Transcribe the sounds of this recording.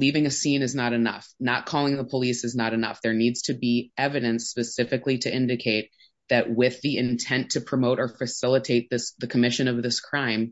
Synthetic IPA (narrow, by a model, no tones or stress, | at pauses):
livɪ̃ŋɨsĩnɨznəɾɨnʌ̰fnət̚kʰɔlˠɪ̃ŋðəpʰəlisɨznəɾɨnʌ̰fðə˞nidz̥tʰɨbiɛvɨɾɨ̃nspɨsɪfɨkliɾɨɪ̃ndɨkʰeɪt̪̚ | ðɨʔ̚wɪðiɪ̃ntʰɛ̃ntʰɨpʰɹ̥ɨmoʊɾə˞fɨsɪlˠətʰeɪt̪̚ðɪsðɨkʰəmɪʃɨ̃nʌvðɪskʰɹ̥ãɪ̃m